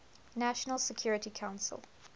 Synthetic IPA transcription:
næʃənəlˠsəkʰj̥ɔɹɪtikʰãʊ̃nsə̰lˠ

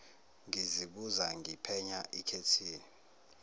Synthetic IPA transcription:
ŋiziɓuzaŋɡipʰɛɲaʔikʰetʰiːni

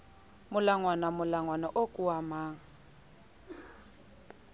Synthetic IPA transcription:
mʊlaŋwanamʊlaŋwanaʔokʼuamaːŋ̩

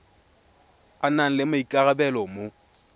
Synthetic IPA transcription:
anan̩lɪmaikʼaɣabɛlɔmo

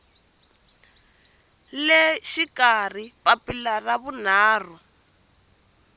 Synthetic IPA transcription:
lɛʃikar̤ipapilaraβun̤aːr̤u

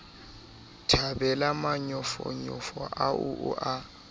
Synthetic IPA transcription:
tʰabɛlamaɲɔfɔ̰ɲɔfɔʔaʊʔʊʔa

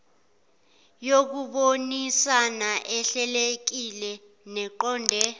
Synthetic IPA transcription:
jok̬uɓonisanaʔɛɬɛlek̬ilɛ | nɛǃɔːndʱɛ

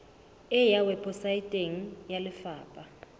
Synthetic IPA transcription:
ɛjawɛpʰʼɔsajitʼeŋ̩jalɪfaːpʼa

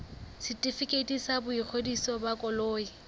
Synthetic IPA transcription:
sɪtʼifɪkʼetʼisabʊik͡xʰodisɔbakʼɔloːi

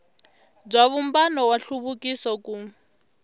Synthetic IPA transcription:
b͡ʐaβumbanɔwaɬuβukisɔku

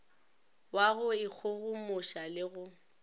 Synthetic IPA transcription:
waɣʊɪk͡xʰʊɣʊmʊʃalɪɣʊ

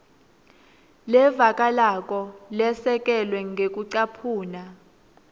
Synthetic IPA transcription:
lɛvakʼalak̬ʼɔlɛsɛkʼɛlwɛŋɡʱek̬ʼuǀapʰuːna

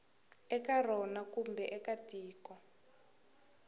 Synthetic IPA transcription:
ɛkarɔnakumbɛʔɛkatiːkɔ

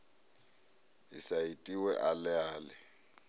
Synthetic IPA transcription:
ɪ̰saitʼiwɛʔalɪaːlɪ

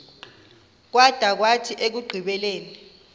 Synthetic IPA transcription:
k̬wad̥ʱak̬watʰiʔek̬uɡ͡ǃʱiɓɛleːni

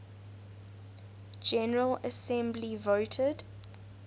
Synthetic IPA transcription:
d͡ʒɛnəɹələsɛ̃mblivoʊtʰəd̥

